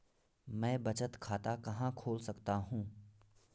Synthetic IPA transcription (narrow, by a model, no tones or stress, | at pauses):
mɛ̃ːbɐt͡ʃət̪kʰaːt̪akɐɦãkʰoːlsɐkt̪aɦũː